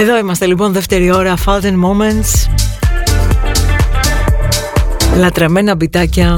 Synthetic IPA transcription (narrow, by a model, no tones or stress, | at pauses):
e̞ðo̞imɐst̪e̞lipo̞nðe̞ft̪e̞ɾio̞ɾɐfɐld̪enmoment̪s | lɐt̪ɾɐme̞nɐbit̪ɐcɐ